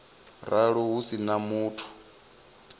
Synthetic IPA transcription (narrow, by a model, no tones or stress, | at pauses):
ɾaɺɔɦusinamuːtʰu̥